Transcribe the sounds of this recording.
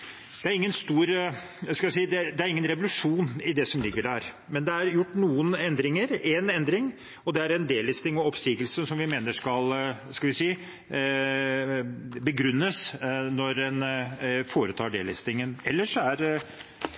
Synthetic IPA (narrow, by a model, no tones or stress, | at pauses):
d̪̥ɛæɾɪŋːənst̪uːɾ | skɑls̬iːd̪ɛd̪ɛæɾɪŋːənɾɛʋʊlʉʂuːnɪd̪ɛsɔmlɪɡːəɖæɾ | mɛnd̪ɛæɾjʊʈːnuːənɛnd̪ɾɪŋəɾɛnɛnd̪ɾɪŋ | ɔd̪ɛæɾɛnd̪eːlɪst̪ɪŋɔɔpsiːɡəlsəsɔmʋɪmeːnəʂkɑlskɑlʋɪsiː | bəɡɾʉnːəsnɔɾɛnfoːɾət̪ʰɑːɖeːlɪst̪ɪŋənɛlːəʂɔæɾ